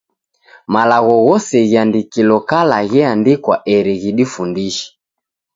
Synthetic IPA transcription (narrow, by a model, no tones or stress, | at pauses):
malaɣɔɣɔsɛɣiandikilɔkalaɣɛandikwa̰ʔɛɾɛɣiɗifundiʃɛ̥